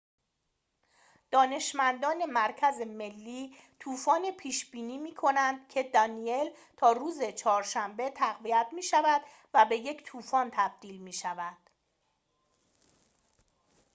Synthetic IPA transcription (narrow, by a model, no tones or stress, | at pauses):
d̪̥ɒːne̞ʃmænd̪ɒːne̞mæɾcʰæzeme̞lːiːt̪ʰuːfɒːnepʰiːʃb̥iːniːmiːkʰo̞nænd̪̥cʰe̞d̪ɒnie̞l | t̪ʰɒːɾuːze̞t͡ʃʰɒːɾʃæmbe̞t̪ʰæɣvijæt̪ʰmiːʃævæd̪̥ | væbe̞je̞cʰt̪ʰuːfɒːnt̪ʰæb̥̚d̪̥iːlmiːʃævæd̪̥